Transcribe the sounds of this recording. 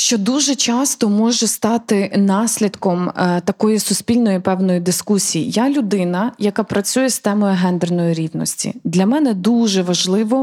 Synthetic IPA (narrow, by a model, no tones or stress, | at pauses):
ʃt͡ʃɔd̪uʒɛt͡ʃɑst̪ɔmɔʒɛst̪ɑt̪ɪnɑsʲlʲid̪kɔmt̪ɐkɔjisʊspʲilʲnɔjipɛwnɔjid̪ɪskusʲijijalʲʊd̪ɪnɐjɐkapɾɐt͡sʲujɛst̪ɛmɔjʊɦɛnd̪ɛrnɔjiɾʲiwnɔsʲtʲḭd̪lʲɐmɛnɛd̪uʒɛʋɐʒlˠɪʋɔ